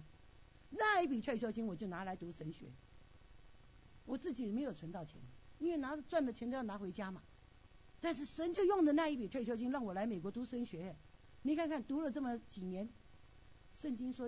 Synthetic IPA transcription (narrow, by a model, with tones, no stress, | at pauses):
na˥˧i˥˩pi˨˩t̪ʰwe˥˩ɪt͡ɕʰjɑ˥ʊt͡ɕi˥ŋwɔ˨˩t͡ɕjo˥˩ʊna˧˥la˧˥ɪt̪u˧˥ʂə˧˥˦nɕɥɛ̰˧˥ | wɔ˨˩t͡sɹ̩˥˩t͡ɕi˨˩me˧˥ɪjo˨˩ʊt͡sʰwə˧˥nt̪ɑ˥˩ʊt͡ɕʰjɛ̰˧˦n˨i˥nwe˥˩na˧˥˧t͡swa˥˩nlə˨˩t͡ɕʰɛ˧˥n˥˧jɑ˥˩na˧˥xwe˧˥ɪt͡ɕja˥mɐ˨ | t̪a˥˧nʂ̬ɻ̩˥˩ʂə˧˥nt͡ɕjo˥˧ʊjʊ˥˩ŋdə˨na˥˧i˥˩pi˨˩t̪ʰwa˥˩ɪt͡ɕʰjɑ˥t͡ɕ̬i˥ŋlɑ˥˩ŋwɔ˨˩la˧˥ɪme˨˩ɪkwɔ˧˥t̪u˧˥ʂə˧˥nɕɥɛ˧˥ɛ˨ | ni˨˥kʰa˥˧nkʰa˥˩nt̪u˧˥lə˨t͡sə˥˩mə˨˩t͡ɕi˨˩njɛ˧˥n | ʂə˥˩nt͡ɕi˥ŋʂwɔ˥